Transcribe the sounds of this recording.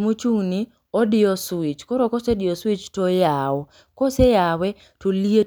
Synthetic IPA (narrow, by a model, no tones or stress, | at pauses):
mot͡ʃuni | ɔdɪɔswit͡ʃkɔɾɔkɔsɛdɪɔswit͡ʃtojawɔ | kɔsɛjawɛ | tolie